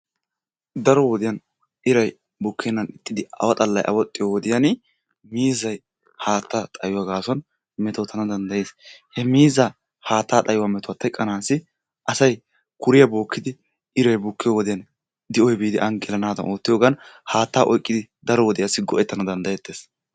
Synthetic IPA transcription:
d̪ɐɾɔwɔd̪ɪjɐn | ʔɪɾɐj | bʊkːɛnːɐnɪt̪ːɪd̪ɪɐ̰wɐt̪ʼɐlːɐjʔɐ̰wɔt̪ʼːɪjɔwɔd̪ɪjɐn | miːzɐj | haːt̪ːat̪ʼɐjʊwaɡaːsɔn | mɛt̪ot̪ʰːɐnɐd̪ɐnd̪ɐjeːshɛmiːzɐ | haːt̪ːaːt̪ʼɐjʊwamɛt̪ʊwɐt̪ːɛkʼːɐnaːsɪ | ʔɐsɐj | kʊɾɪjɐbo̞ːkːɪd̪ɪ | ɪɾɐjbʊkːɪjɔwɔd̪ɪjɐn | d̪ɪɔjbiːd̪ɪʔɐŋɡɛlɐnaːd̪ɐ̰nʔoːt̪ːɪjoːɡɐnhaːt̪ːaːʔɔjkʼːɪd̪ɪd̪ɐɾɔwɔd̪ɪjasɪɡɔʔɛt̪ːɐnɐd̪ɐnd̪ɐjɛt̪ːeːs

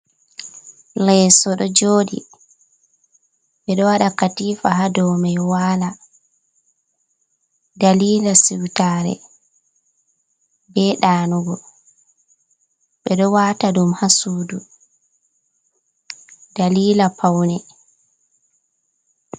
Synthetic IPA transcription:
lɛsɔɗɔd͡ʒoːɗḭ | ɓɛɗɔwaɗakatifahadɔmɛjwaːla | daliːlasiwtaːɾɛ̰ | bɛɗaːnuɡɔ | ɓɛɗɔwataɗumhasuːdu | daliːlapʰawnɛ

